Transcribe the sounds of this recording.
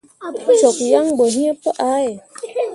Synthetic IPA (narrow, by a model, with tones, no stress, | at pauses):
t͡ʃɔ˨k̚ja˦ŋbə˨ɦi˦ə˦pə˦ʔa˨˦e˨